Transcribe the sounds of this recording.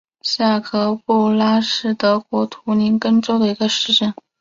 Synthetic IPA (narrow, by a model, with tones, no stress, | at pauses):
ɕja˥˩kʰɤ˧˥pu˥˩la˥ʂɻ̩˥˩t̪ɤ˥kwɔ˧˥t̪ʰu˧˥ni˧˥nkə˥ŋʈ͡ʂo˥ʊd̪ə˨i˧˥ɡə˧ʂɻ̩˥˧ʈ͡ʂə˥˩n